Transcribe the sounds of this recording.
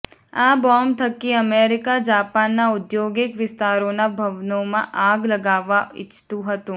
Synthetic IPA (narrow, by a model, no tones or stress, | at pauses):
ãːbɔːmt̪ʰɐkːiɐmeːɾɪkad͡ʒaːpaːnːaʊd̪joːɡɪkʋɪst̪aːɾõːnabʱɐʋnõmã̰ʔaːɡlɐɡaːʋaɪ̰t͡ʃt̪uɦɐt̪ũː